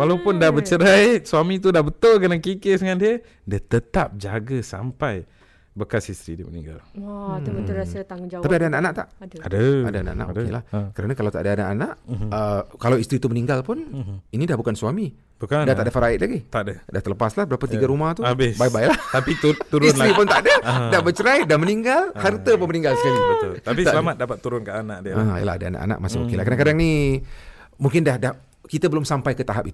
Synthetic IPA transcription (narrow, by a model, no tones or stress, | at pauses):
walapʊndahbət͡ʃəɾajsuamit̪udahbət̪ʊlkənakikɪʔsəŋandiə | diət̪ət̪ap̚d͡ʒaɡəsa̰mpaj | bəkasist̪ɾḭdiəmənḭŋɡa̰lubət̪urasət̪aŋʊnd͡ʒat̪apiadaanaʔanaʔt̪a̰ʔdadəa̰daanaʔa̰na̰ʔokḛlahkəɾanakalawt̪a̰ʔdəanaʔanaʔəkalawist̪ɾit̪umənĩŋɡalpʊninidahbukansuami | bukadaht̪aʔdəfəɾaɪʔ̪̚laɡit̪aʔdədaht̪ələpaslahbəɾapət̪iɡaɾumaht̪ubɪsbajbajlaht̪apit̪ut̪uɾʊstɾipʊnt̪adədabət͡ʃəɾajdanməniŋɡalhart̪əpʊnmənĩŋɡalsəkaliəlt̪apit̪səlamat̪̚dapat̪ːuɾʊnkaʔanaʔdiəḭjə̰la̰ɦadaa̰na̰ʔa̰na̰ʔmasɪmokilahkəɾdaŋkadaŋni | muŋkɪndahdah | kit̪əbəlʊmsampajkət̪aɦap̚it̪